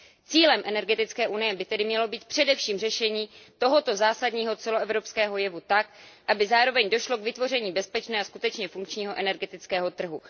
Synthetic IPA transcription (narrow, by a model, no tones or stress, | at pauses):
t͡siːlɛmʔɛnɛɾɡɛt̪ɪt͡skɛːʔunɪjɛbɪt̪ɛdɪmɲɛlo̞biːt̪̚pr̥ɛdɛfʃiːmrɛʃɛɲiːt̪o̞ɦo̞t̪o̞zaːsadɲiːɦo̞t͡sɛloɛvɾopskɛːɦo̞jɛvut̪ak̚ʔabɪzaːɾo̞vɛɲdoʃlo̞kvɪt̪vo̞r̝ɛɲiːbɛspɛt͡ʃnɛːaskut̪ɛt͡ʃɲɛfuŋkt͡ʃɲiːɦo̞ʔɛnɛɾɡɛt̪ɪt͡skɛːɦot̪r̩ɦu